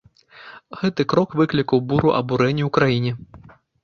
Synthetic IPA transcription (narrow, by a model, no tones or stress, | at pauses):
ɣɛt̪ɨkɾɔkvɨklʲikɐwbuɾuʔɐ̰buɾɛnʲːiwkɾajinʲɛ